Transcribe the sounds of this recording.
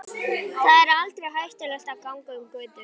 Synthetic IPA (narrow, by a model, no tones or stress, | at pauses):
θaðɛɾalt̪ɾeɦœɥst̪ʏlɛst̪awkawŋkaʏmkœːt̪ʏ